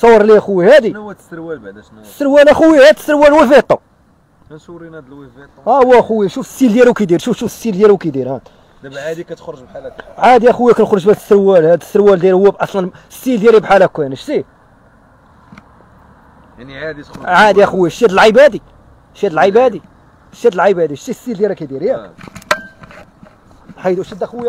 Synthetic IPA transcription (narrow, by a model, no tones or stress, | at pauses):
sˤɑwːɾˤliæxuwihæd̪iw | sːəɾwælæxʊwihæd̪səɾwælwifet̪ˤːɑ | ɾind̪lw | t̪ˤæwːæxuwiʃufəsːild̪jælukid̪iɾʃufʃufəsːild̪jælukid̪iɾhæ | ʕad̪ikæt̪xɾˤʒbħalʕad̪jæxuwikænxɾˤoʒbæd̪əsːəɾwælhæd̪əsːəɾwæld̪jæɾhʊwːæbʔɑsˤlɑn | sːild̪jæɾibħalækːænʃt̪i | ʕad̪iʕad̪jæxuwiʃjæd̪əlʕəbæd̪i | ʃjæd̪əlʕəbæd̪i | ʃjæd̪əlʕəbæd̪iʃt̪isːild̪jæɾikæd̪iɾjæ | ħad̪ʃid̪æxwj